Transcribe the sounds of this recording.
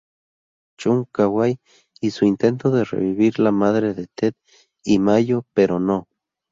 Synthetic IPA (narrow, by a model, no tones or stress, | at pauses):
t͡ʃuŋkawaj | isuint̪ent̪oðerḛβiβiɾlamaðɾeðet̪et̪̚ | imajopeɾono